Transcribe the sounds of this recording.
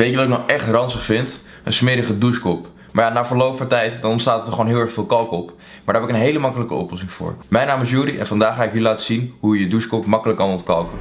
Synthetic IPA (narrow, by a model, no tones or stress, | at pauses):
ʋejtəʋɑtɪk̚nɔχʔɛχtrɑnsəχfɪnt | ə̰nsmɪɾəχəduskɔp | maːɹjaːnaːfəːɹlowpfɑntɛjtdɑnɔntstaːtətɔχonɦɪːlˠɛɹχfɪːlˠkɑlˠkɔp | maːdaːɦɛpɪkənɦejləmɑkələkə̰ɔ̰plɔsɪŋvʊ̰ːɹmɛjnaːmɪsjuːɾiʔɛ̰nfɑndaːχːaːɪkilaːtəzinɦujəduskɔpmɑkələkɑnɔtkɑlˠkə